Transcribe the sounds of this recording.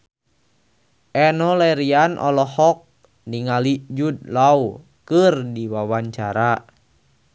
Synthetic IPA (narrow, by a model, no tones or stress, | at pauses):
ʔɛnɔlɛɾianʔɔ̰lɔhɔk̚ | niŋalid͡ʒud̚lau | kɨrdiwawaɲt͡ʃaɾa